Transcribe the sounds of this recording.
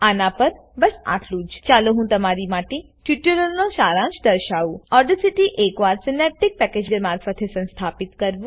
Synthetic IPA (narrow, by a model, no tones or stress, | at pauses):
anãpəɾ | bɐsa̰ʈʰluːd͡ʒt͡ʃaloɦũt̪ɐmaɾiːmaʈĩ | ʈuʈuɾəlnɔ̃ʃaːɾãt͡ʃd̪əɾʃauɔɖəsiʈiʔeːkʋaːɾsinɛp̚ʈːik̚pɛked͡ʒeɾmaːɾfət̪ʰesə̃nst̪ʰaːpit̪kəɾʋu